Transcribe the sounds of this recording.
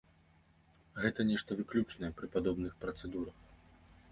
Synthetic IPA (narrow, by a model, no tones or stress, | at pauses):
ɣɛt̪ɐnʲɛʂt̪ɐvɨklʲut͡ʂnɐjɛpɾɨpad̪ɔbnɨxpɾɐt̪sɛd̪uɾɐx